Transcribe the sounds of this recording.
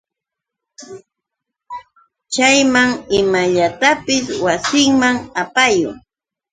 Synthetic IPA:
t͡ʃajmaŋɪmaʎat̪apɪswasɪŋmaŋapajʊ̰ŋ

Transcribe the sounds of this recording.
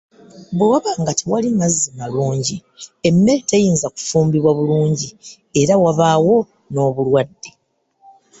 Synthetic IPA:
buwaβaːŋɡatʰiwalimazːimaluːɲɟie̞mːe̞ɾetejiːnzaku̥fuːmbiβwaβuluːɲɟi | e̞ɾawaβaːwo̞ | no̞ːβulwadːe̞

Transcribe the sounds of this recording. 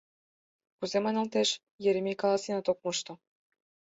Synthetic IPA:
kuzemɑjnɑlt̪eʃ | jeɾemʲijkɑlˠɑsinɑt̪ok̚moʃt̪ŏ

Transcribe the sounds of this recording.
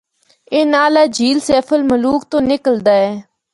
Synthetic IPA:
eːnaːlaːd͡ʒʱiːlsɛːfʰəlməluːk̚t̪õːnɪkəld̪aːɛː

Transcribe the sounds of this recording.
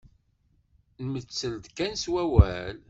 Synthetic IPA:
nmət͡sːəld̪kænswæwæl

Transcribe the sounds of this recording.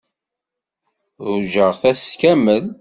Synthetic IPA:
ðʊʒəʁθæskæməl

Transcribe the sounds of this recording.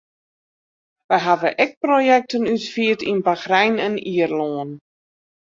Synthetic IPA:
ʋɛjɦavəʔɛk̚projɛk̚tənytfiətinbaxrɛjnɛniərloːən

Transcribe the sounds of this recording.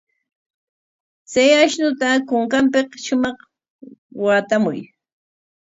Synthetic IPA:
t͡sajaʃnʊt̪akʊŋkampɪqʃʊmɑχ | wat̪amʊj

